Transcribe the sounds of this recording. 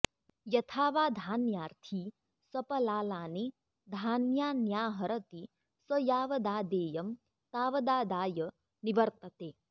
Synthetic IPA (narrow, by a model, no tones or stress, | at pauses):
jɐt̪ʰaːʋaːd̪ʱaːnjaːɾt̪ʰi | sɐpɐlaːlaːni | d̪ʱaːnjaːnjaːɦɐɾɐt̪i | sɐjaːʋɐd̪aːd̪eːjɐm | t̪aːʋɐd̪aːd̪aːjɐ | niʋɐɾt̪ɐt̪eː